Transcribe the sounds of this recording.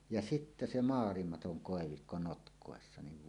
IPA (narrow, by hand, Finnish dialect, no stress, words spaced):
jɑ sitːæ se mɑːlimɑtoŋ koˑeʋikːo notkˑoˑesːɑ niʋ